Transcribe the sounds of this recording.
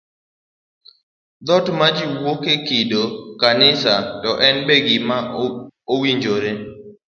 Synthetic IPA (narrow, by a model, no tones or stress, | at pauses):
d̪ɔtmad͡ʒiwokekɪdokanɪsatɔʔɛnbeɡɪmaowiɲd͡ʒoɾe